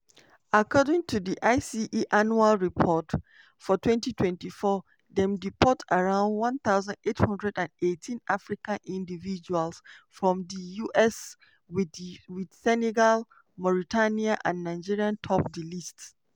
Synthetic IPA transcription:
akʰɔdɪ̃ŋtʰudiʔaɪsiʔiʔanualɹipʰɔt | fɔtʰwɛ̃ntitʰwɛ̃ntifɔ | dɛ̃mdipʰɔtaɹãʊ̃ndwãnθaʊzãndethɔ̃ndɹɛdãndetʰĩnʔafɹikãnʔĩndivid͡ʒualsfɹɔ̃mdijuʔɛs | wid̥sɛnɛɡal | mɔɹitʰaniãʔã̰nːãɪd͡ʒiɹiãntʰɔp̚dilists

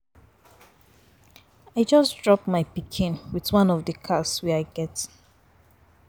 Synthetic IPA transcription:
aɪd͡ʒʌsdɹɔpmaɪpikʰĩnwiðwãnɔvdəkʰaswɛaɪɡɛt

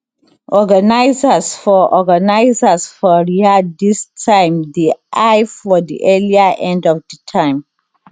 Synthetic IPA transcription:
ʔɔɡanaɪzasfɔʔɔɡanaɪzasfɔɹiadistʰãɪ̃mdiʔajfɔdḭʔɛliaʔɛ̃ndɔfdətʰãɪ̃m

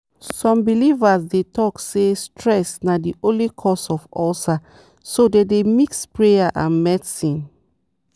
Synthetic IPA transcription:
sɔ̃mbilivazdetɔksestʰɹɛsnadiʔolikʰɔsɔfɔlta | sodedemikspɹejaʔã̰nmɛdsĩn

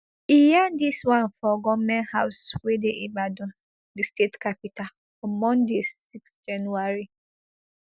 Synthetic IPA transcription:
ijandiswãnfɔɡɔmɛ̃nhaʊswedeʔibadɔ̃ | distetkapital | ɔ̃mɔ̃ndesiksd͡ʒãnuaɹi

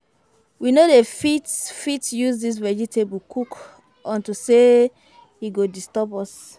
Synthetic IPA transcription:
winodefitfitjuzdis̬vɛd͡ʒitʰeblkʰuk | ʔɔ̃ntuse | hiɡodistɔpɔs

